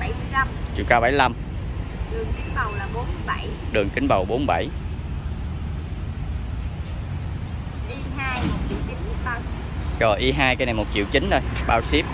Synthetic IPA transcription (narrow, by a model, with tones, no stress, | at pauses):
ɓa˧˩˦jmɨ˧əjla˧mt͡ɕḭ˧˨wkaː˧ɓa˧˩jla˧m | ɗɨ˨˩əŋki˨˦ŋ̟ɓə˨˩wlaː˨˩ɓo˨˦nm˨ɓa˧˩jɗɨ˨˩əŋkï˨˦ŋ̟ɓaə˨˩wɓo˨˦nɓa˧˩j | ʔi˧haː˧jmo˨˩t͡ɕḭ˧˨wt͡ɕi˨˦nmu˨˩ɓaː˧wsi˦˥p̚t͡ɕɔ˨˩ʔi˧ɦaː˧jkaː˨˦jna˨˩jmo˨˩t̚t͡ɕḭ˧˨wt͡ɕï˨˦ŋ̟ɗo˧jɓaː˧wsi˦˥p̚